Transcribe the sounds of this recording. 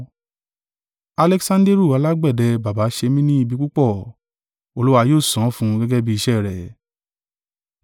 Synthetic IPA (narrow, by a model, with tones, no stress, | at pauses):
a˧lɛ˧ksã˧nde˦ɾu˦˨a˨˧la˦ɡ͡bɛ˦˨dɛ˧ba˨ba˨˦ʃe˧mĩ˦nĩ˦i˧bi˧ku˦k͡pɔ˦˨ | o˧lu˦wa˧joː˦˨sɔ̃˨˦fũ˧˦ɡɛ˦ɡɛ˦bi˦i˧ʃɛ˦˨ɾɛ˨